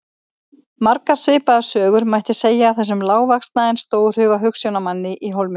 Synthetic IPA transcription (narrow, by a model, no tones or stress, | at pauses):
maɾkaɾ̥svɪːpaðḁsœːɣʏɾmajht̪ɪseːjaːθɛs̬ːʏmlaːwvakst̪naɪnst̪oːwɾ̥hʏːɣaɦʏksjownamanːɪʔiɦowlmɪ